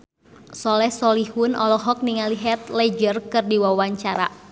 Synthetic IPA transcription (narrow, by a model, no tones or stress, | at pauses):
sɔlɛhsɔlihunɔ̰lɔɦɔk̚niŋaliɦɛt̪̚lɛd͡ʒərkɨrdiwawaɲt͡ʃaɾa̰